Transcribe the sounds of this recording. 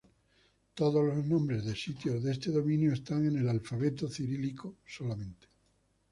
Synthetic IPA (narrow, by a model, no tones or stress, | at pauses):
t̪oðozlooznõmbɾe̞zðesit̪joðest̪eðo̞mĩnjoest̪aŋe̞ne̞lalfaβ̞e̞t̪oθiɾilikosolamẽ̞nt̪e̥